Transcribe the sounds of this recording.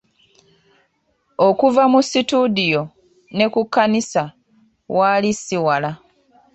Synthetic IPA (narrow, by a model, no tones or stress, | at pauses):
o̞kuvamusitudijo̞ | ne̞kukːanisa | waːlisiwala